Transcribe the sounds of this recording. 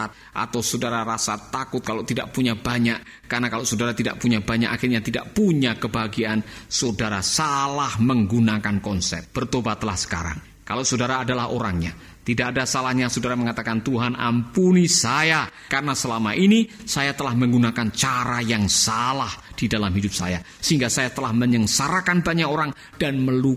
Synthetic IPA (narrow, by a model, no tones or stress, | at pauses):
at̪̚ʔa̰t̪awsodaɾaɾasat̪akʊt̪̚kalot̪ida̰ʔpuɲabaɲaʔ | karənakaloʔsodaɾat̪ida̰ʔpuɲabaɲa̰kaxɪrɲat̪ida̰ʔpuɲakəbaɡiansodaɾasalahməŋɡunakankɔnsɛ̰p̚b̥ərt̪obat̪lahsə̥ka̰ɾa̰ŋ | kaloʔsodaɾaːdalaɦo̰ɾaŋɲa̰ | t̪idaʔadasalahɲasodaɾaməŋat̪akant̪uɦana̰mpunisajakarənasəlamaʔinisajat̪əlahməŋɡunakant͡ʃaɾajaŋsalahd̥idalamɦidʊp̚sa̰ja | səɦiŋɡasajat̪əlahməɲəŋsaɾakanbaɲakoɾaŋ | d̥anməlu